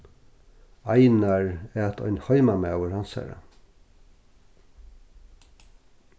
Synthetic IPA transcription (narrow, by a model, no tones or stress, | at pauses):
ajnaɹæt̪ʰɔ̰ʏnhɔjmamæ̰ːwəɹhansa̰ɾa̰